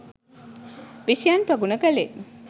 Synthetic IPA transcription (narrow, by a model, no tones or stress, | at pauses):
ʋiʃjanpɾɐɡunəkɐle